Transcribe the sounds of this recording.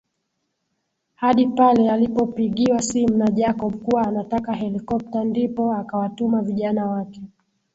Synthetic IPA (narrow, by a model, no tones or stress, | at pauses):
haɗipalɛalipɔpiɠiwasimunaʄakɔɓukuwaːnatakaɦɛlikɔp̚tandipɔakawatumaviʄanawakɛ